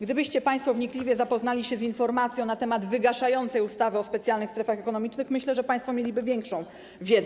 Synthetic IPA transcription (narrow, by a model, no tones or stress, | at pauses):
ɡd̪ɘbɘɕt͡ɕɛpajst̪fɔvɲiklʲivʲjɛzapɔznalʲiɕɛzinfɔɾmat̪sʲjɔ̃wnat̪ɛmad̪vɘɡaʂajɔnt̪sɛjust̪avɘɔspɛt̪sʲjalnɘxst̪ɾɛfaxɛkɔnɔmʲit͡ʂnɘxmɘɕlɛʐɛpaj̃st̪fɔmʲelʲibɘvʲjɛŋkʂɔ̃w̃ | vʲjɛd̪z